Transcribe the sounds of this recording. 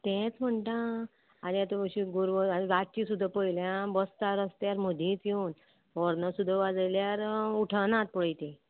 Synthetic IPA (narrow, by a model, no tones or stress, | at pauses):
t̪ɛ̃t͡sm̤əɳʈãː | niat̪opəɕĩɡuɾʋəaniɾat̪̚t͡ɕisud̪ʱːapəiljãbəst̪aɾəst̪jaɾməd̪ʱẽt͡sewn | ɔɾnəsud̪ʱːaʋad͡zəljaɾuʈʰənãt̪̚pəɭjt̪ẽ